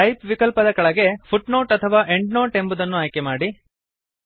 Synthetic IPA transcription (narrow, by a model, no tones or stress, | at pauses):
ɐjpʋikɐlpɐd̪ɐkɐɭɐɡe̞pʰuʈnoːʈɐt̪ʰɐʋaːʔeɳɖnoːʈe̞mbud̪ɐnːuaːjkemaːɽi